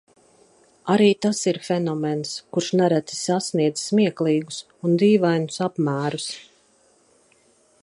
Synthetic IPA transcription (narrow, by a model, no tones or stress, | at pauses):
aɾiːt̪asiɾfɛnɔmɛnskuɾʃnɛɾæt̪si̥sasniɛd̪zsmiɛklˠiːɡus | und̪iːvajnʊsapmæːɾus